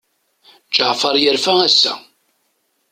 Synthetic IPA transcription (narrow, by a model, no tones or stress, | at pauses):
t͡ʃːəʕfɑɾˤjəɾfææsːæ̰